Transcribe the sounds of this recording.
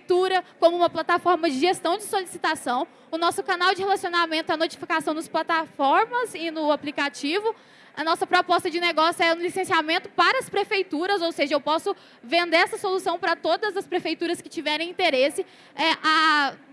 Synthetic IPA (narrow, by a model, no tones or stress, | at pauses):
t̪uɾɐkõmʊũmɐplat̪afɔɾmɐd͡ʒɪʒest̪ɐ̃w̃d͡ʒɪsolisit̪asɐ̃w̃ | ʊnɔsʊkanawd͡ʒɪhelasionamẽnt̪ʊɛɐnot͡ʃi̥fikasɐ̃w̃nɐsplat̪afɔɾmɐzɪnʊaplikat͡ʃivʊ | ɐnɔsɐpɾɔpɔst̪ɐd͡ʒɪneɡɔsjʊɛũlisẽsiamẽnt̪ʊpaɾɐːspɾefejt̪uɾɐzowseʒɐewpɔsʊ | vẽnd̪eɾɛsɐsolusɐ̃w̃pɾɐt̪od̪ɐzɐspɾefejt̪uɾɐskɪt͡ʃivɛɾẽj̃ĩnt̪eɾesɪ | ɛʔa